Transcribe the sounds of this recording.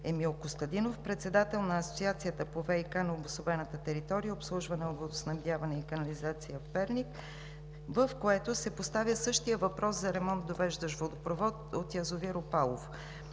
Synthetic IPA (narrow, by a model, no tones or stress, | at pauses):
ɛmilˠkʊst̪ɐd̪inofpɾɛt̪sɛd̪at̪ɛlˠnɐːsot̪siat̪sijət̪əpovɛikanɐobosovɛnət̪ət̪ɛɾit̪ɔɾijəopslˠuʒvɐnɛovod̪osnɐvd̪ʲjavɐnɛikɐnɐlizat̪sijəfpɛɾnik | vəfkoɛt̪osɛpost̪avʲjəsɤʃt̪ijəvɐpɾɔszɐɾɛmɔnt̪̚d̪ovɛʒd̪əʃvod̪opɾovɔt̪ot̪jɐzoviɾopalˠof